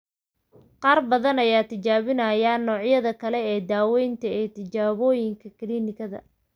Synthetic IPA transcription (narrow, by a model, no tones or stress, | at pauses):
qɑːrbɐðɐnɐjaːt̪ʰɪt͡ʃaːβɪnɐjaːnɔːʕjɐðɐkʰɐlɛɛːd̪aːwɛjnt̪ʰɐɛːt̪ʰɪt͡ʃaːβɔːjɪŋkʰɐkɪliːnɪkʰɐðɐ̰